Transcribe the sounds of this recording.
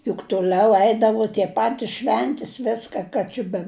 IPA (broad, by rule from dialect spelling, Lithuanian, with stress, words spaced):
jʊk tʊˈlʲɛʊ ˈɛɪdɐʋʊ tʲiɛ ˈpɑːtʲɪs ˈʃʲʋʲɛnʲtʲɪs ˈʋʲɪskɐ ˈkɐ t͡ʃʲɪ bʲɛ